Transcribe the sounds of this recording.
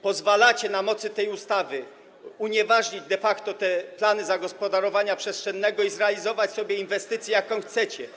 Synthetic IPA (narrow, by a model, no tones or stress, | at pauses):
pɔzvalat͡ɕɛnamɔt̪sɘt̪ɛjust̪avɘ | uɲɛvaʐɲid͡ʑd̪ɛfakt̪ɔt̪ɛplanɘzaɡɔspɔd̪aɾɔvaɲapʂɛstʂɛnːɛɡɔizɾɛalʲizɔvat͡ɕsɔbʲjɛinvɛst̪ɘt̪sʲjɛjakɔ̃w̃xt̪sɛt͡ɕɛ